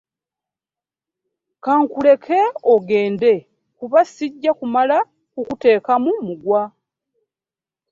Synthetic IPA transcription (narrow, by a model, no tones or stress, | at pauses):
kaŋkule̞kʰe̞oɡe̞ːnde̞ | kuβasiɟːakumala | kukute̞ːkamumuɡwa